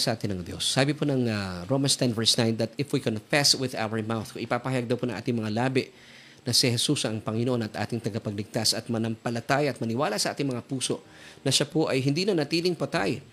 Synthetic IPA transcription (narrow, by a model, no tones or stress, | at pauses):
sɐʔaːt̪ɪnɐŋd̪jo̞̰sːaːbɪponɐŋɐɾomɐnst̪ɛnvɛɹsnajnd̪ɐt̪ɪfwikonfɛswɪða̰wɐɹmawθkoŋʔɪpaːpɐhɐjaɡ̚d̪ɐwponɐŋa̰ːt̪ɪŋmɐŋalaːbɪʔ | nɐsɪhɛsusɐŋpɐŋɪnoʔo̞nɐt̪ʔa̰ːt̪ɪŋt̪ɐɡapɐɡ̚lɪɡ̚t̪asɐt̪̚mɐnɐmpɐlɐt̪aːjɐʔɐt̪̚mɐnɪwaːlasɐʔaːt̪ɪŋmɐŋapuːso̞ʔ | nɐʃapoʔɐjɦɪnd̪inɐnɐt̪iːlɪŋpɐt̪aj